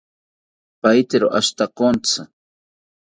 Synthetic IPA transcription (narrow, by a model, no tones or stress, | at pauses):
pajt̪eɾoʔaʃt̪akont͡sa